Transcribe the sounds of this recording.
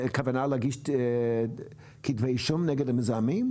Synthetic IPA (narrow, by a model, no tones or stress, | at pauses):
kʰavənalˠaɡɪʃt | kʰidveɪʃʊmnɛɡədəmɪzamim